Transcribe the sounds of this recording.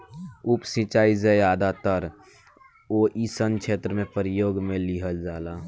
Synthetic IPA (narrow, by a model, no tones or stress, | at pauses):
upsĩt͡ʃaːid͡ʒəaːd̪at̪əɾ | oːʔisənkt͡ʃʰeːt̪ɾəmẽpəɾɪjoːɡmẽliɦəld͡ʒaːlaː